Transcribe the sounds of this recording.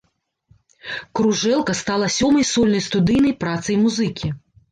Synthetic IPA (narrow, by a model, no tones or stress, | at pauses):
kɾuʐɛlˠkɐst̪alˠɐsʲɔmɐjsɔlʲnɐjst̪ud̪ɨjnɐjpɾat̪sɐjmuzɨkʲi